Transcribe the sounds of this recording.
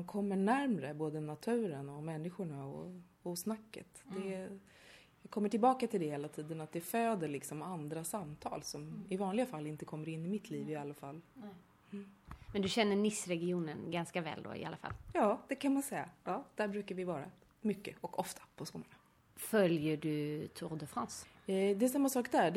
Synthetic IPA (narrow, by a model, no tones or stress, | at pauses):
mankʰɔmːəɳæɾmɾəboːd̪ənat̪ʰʉ̟ːɾənɔmɛnːɪɧʊɳaɔ̰ | ɔsnakːə̰t̪d̪ɛ | jɑːɡkʰɔmːəʈʰɪlbɑːkat̪ʰɪld̪ɛheːlat̪ʰiːd̪ənat̪̚d̪ɛføːd̪əɭɪksɔmand̪ɾasamːt̪ʰɑ̰ːlsɔmɪvɑːnlɪɡafalːɪnt̪əkʰɔmːəɾɪnːɪmɪt̪ʰliːvɪalːafalː | mɛnd̪ɵɕɛnːəɳɪsɾɛɡɪuːnənɡanskavɛ̰ːld̪o̰ːɪ̰a̰lːafa̰lːjɑːd̪̥ɛkʰanmansɛjːa̰jɑːd̪̥æɾbɾʉ̟ːkaɾvɪvɑːɾa̰ | mʏkːəʔɔkʰɔft̪ʰḁpʰɔskʊmana | fœljəɖɵt̪ʰʊɾd̪əfɾans | d̪ɛɛs̬amːasɑːkd̪æ